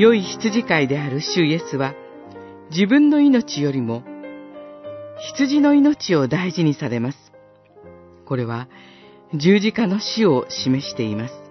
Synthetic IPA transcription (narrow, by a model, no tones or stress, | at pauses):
jo̞içi̥t͡sɨʑikaid̪e̞aɾɯ̟ɕɨije̞sɨβa | d͡ʑibɯ̟̃nːo̞ino̞t͡ɕijo̞ɾʲimo̞ | çi̥t͡sɨʑino̞ino̞t͡ɕio̞d̪aiʑiɲ̟isaɾe̞masɨ̥ | ko̞ɾe̞β̞a | d͡ʑɨːʑikano̞ɕio̞ɕime̞ɕi̥t̪e̞imasɨ̥